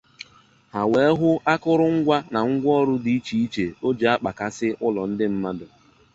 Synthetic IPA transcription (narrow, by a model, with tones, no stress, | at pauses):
ha˨we˨˦ɦʊ˦ʔa˦kʊ˦ɾʊ˦ŋ̩˦ɡʷa˦na˨ŋ̩˦ɡʷɔ˦ɾʊ˦di˨i˦t͡ʃi˨i˦t͡ʃe˨o˦d͡ʒe˨a˦k͡pa˨ka˦sɪ˦ʔʊ˦lɔ˨n̩˦dɪ˦m̩˦ma˦dʊ˨